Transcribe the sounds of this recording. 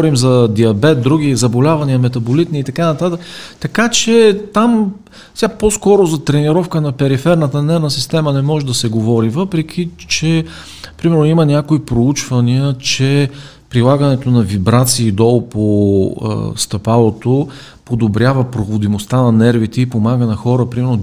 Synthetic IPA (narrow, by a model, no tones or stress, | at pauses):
ɾimzɐd̪iɐbɛt̪̚d̪ɾuɡʲizɐbolʲavɐniəmɛt̪ɐbolit̪niːt̪ɐkanɐt̪at̪əkt̪ɐkat͡ʃɛt̪am | sʲaposkɔɾozɐt̪ɾɛniɾɔfkənɐpɛɾifɛɾnət̪ənɛɾnəsist̪ɛmənɛmɔʒɛd̪ɐsɛɡovɔɾivɤpɾɛk̟ʰʲit͡ʃɛ | pɾimɛɾnoimənʲjakoipɾout͡ʃvɐniət͡ʃɛ | pɾilˠaɡənɛt̪onɐvibɾat̪siːd̪ɔlˠpʰo̰ | st̪ɐpalˠot̪o | pod̪obɾʲjavəpɾoɣod̪imost̪anɐnɛɾvit̪ɛipomaɡənɐxɔɾəpɾimɛɾno